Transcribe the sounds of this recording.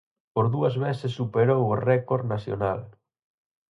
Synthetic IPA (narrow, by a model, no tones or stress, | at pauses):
poɾðuɐzβesesːupeɾoworɛkoɾnasjo̰na̰l